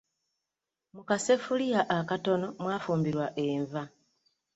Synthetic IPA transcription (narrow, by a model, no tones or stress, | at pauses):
mukase̞fulijaʔakato̞no̞mwaːfuːmbiɾwaʔeɱva